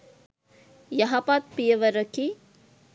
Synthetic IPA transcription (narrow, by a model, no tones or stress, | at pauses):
jɐɦapaːt̪̚pijɐʋɐɾɐki